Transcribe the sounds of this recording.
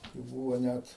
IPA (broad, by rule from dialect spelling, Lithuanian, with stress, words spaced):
tɐɪ ˈbuːʋoː ˈnʲæt